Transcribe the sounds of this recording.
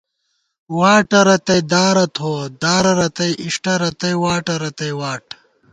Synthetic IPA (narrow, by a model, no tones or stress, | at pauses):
waːʈɐɾɐt̪ɐjd̪aːɾɐt̪ʰoːd̪aːɾɐɾɐt̪ɐjʔiʂʈɐɾɐt̪ɐjwaːʈɐɾɐt̪ɐjwaːʈ